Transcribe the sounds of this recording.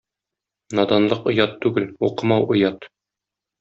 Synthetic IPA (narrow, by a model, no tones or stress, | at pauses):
nɒd̪ɑnlˠɤqŏjɑt̪ːʉɡɘluqɤ̆mɑwʔŏjɑt̪